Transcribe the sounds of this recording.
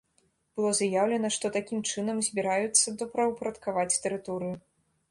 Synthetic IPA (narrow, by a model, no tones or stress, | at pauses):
b̥ɨlˠɔzajawlʲɛnɐʂt̪ɔt̪akʲimt͡ʂɨnɐmzʲbʲiɾajut̪sːɐd̪ɔpɾɐwpɾɐt̪kavat͡sʲt̪ɛɾɨt̪ɔɾɨju